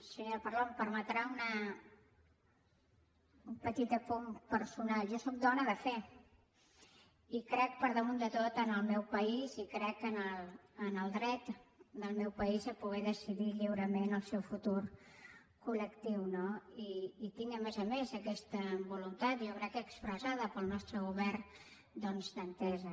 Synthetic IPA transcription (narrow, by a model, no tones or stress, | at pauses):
səɲoɾpəɾlompəɾmət̪ɾaunə | umpət̪it̪əpumpəɾsunalˠʒosok̚d̪ɔnəðəfe | ikɾɛk̚pəɾðəmund̪ət̪ot̪ənəlˠmɛwpəizikɾɛkːənəlˠːnəlˠd̪ɾɛt̪d̪əlˠmɛwpəizəpuɣ̞ɛðəsiðiʎiwɾəmenəlˠsɛwfut̪uɾ | kuləkt̪iwnoiːt̪iŋɡəmɛzəmezəkɛst̪əbulunt̪at̪jowɾɛkəkspɾəzaðəpəlˠnɔst̪ɾəɣuβɛrn | d̪ɔnzd̪ənt̪ɛzə